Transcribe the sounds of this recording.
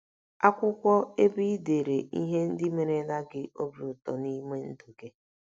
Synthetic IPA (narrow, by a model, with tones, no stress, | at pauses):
a˦kʷʊ˦kʷɔ˦e˦bi˦de˨ɾe˨ʔḭ˦ɦe˦n̩˦dɪ˦me˨ɾe˨˦na˦ɡɪ˦ʔo˦bi˦˨ʊ˨tɔ˨ni˦me˦n̩˦du˨ɡe˦